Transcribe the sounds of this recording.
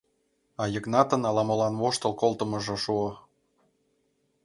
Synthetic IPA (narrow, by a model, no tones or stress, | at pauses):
ɑjɤ̆knɑt̪ə̆nɑlɑmɤ̆lɑnβoʃt̪ɤlˠkolˠt̪ə̆mɤ̆ʒɤ̆ʃuɤ